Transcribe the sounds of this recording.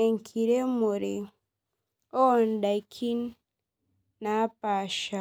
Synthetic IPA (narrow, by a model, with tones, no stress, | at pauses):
e˨ŋ̩˨kʰi˨ɾe˦mo˨ɾe˨ | o˦˨n̩˨˦da˨i˨kʰi˦n˦ | a˨˦pa˨ʃa˨